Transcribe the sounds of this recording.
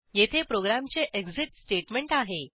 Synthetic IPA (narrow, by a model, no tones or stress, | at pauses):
jet̪ʰepɾoɡɾamt͡seʔeɡd͡ziʈsʈeʈmeɳʈaɦe